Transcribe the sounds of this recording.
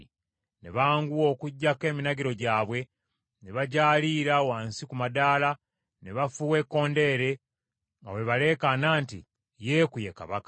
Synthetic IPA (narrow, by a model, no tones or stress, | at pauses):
ne̞̰βaːŋɡuwo̞ːkuɟːake̞ːminaɡiɾo̞ɟaːβwe̞ | ne̞βaɟaːliːɾawaːnsikumadaːla | ne̞βafuːwe̞kːo̞ːnde̞ɾe̞ | ŋɡa̰we̞βale̞ːkanaːntḭ | je̞ːkuje̞ka̰βakḁ